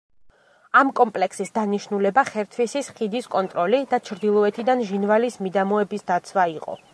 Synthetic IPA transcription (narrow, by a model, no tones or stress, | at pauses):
amkʼɔmpʼlɛksisd̪aniʃnulɛbaχɛɾt̪ʰvisisχid̪iskʼɔnt̪ʼɾɔlid̪at͡ʃʰɾd̪ilˠɔɛt̪ʰid̪anʒinvalismid̪amɔɛbisd̪at̪sʰwaiqʼɔ̰